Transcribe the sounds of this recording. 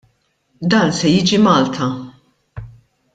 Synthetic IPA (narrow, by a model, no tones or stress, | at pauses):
d̪ɐːnsɛjiːd͡ʒimɐːlt̪ʰɐ